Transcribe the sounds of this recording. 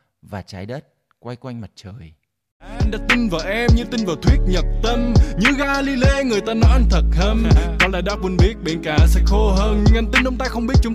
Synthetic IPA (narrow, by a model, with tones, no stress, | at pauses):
vaː˨˩t͡ɕaː˨˦jɗəː˦˥t̚ | kwa˧jkwa˧jŋ̟ma˨˩t̚t͡ɕəː˨˩j | ʔa˧jŋ̟ɗaː˧˥t̪i˧nvaː˨˩wʔɛ˧mɲɨ˧t̪i˧nvaː˨˩wt̪ʰwi˦˥ət̚ɲə˨˩p̚t̪ə˧mɲɨ˧˥ɣaː˧li˧le˧ŋɨ˨˩əjt̪aː˧nɔ˨˦jʔa˧jŋ̟t̪ʰə˨˩t̚hə˧mkɔ˨˦laː˨˩jɗaː˧˦˥k̚wu˧nɓi˦˥ət̚ɓe˧˩nkaː˧˨˩sɛ˧˥xo˧ɦəː˧nɲɨ˧ŋʔa˧jŋ̟t̪ï˧nʔʊ˨˧˦ŋ͡mt̪aː˧xə˧wŋ͡mɓi˦˥t̚t͡ɕʊ˨˦ŋ͡m